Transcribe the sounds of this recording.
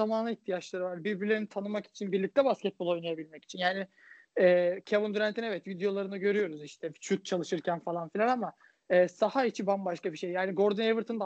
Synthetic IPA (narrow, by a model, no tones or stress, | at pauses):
amanˠɯiçt̪ʰijat͡ʃlˠaɾɯvaɾbiɾbilʲe̞ɾinit̪ʰanɯmaki̥t͡ʃʰinbiɾlʲic̚t̪ʰɛbascʲɛt̪̚bolˠo̞jlnˠajabilʲmɛci̥t͡ʃʰinjaːni | ɛːcʰabund̪yɾænt̪inɛvɛt̪vid̪ejo̞lˠaɾɯnɯɟø̞ɾyjo̞ɾuziʃt̪ʰɛt͡ʃʰut̪̚t͡ʃʰalˠɯʃɯɾcʰænfalˠanfilʲanama | ɛːsahait͡ʃʰibambaʃkabiʃe̞jːaːniɡoɾd̪ɯnevɯɾt̪ʰɯnd̪a